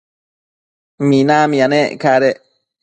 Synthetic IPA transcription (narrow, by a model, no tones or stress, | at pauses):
minamĩaneʔkaɾe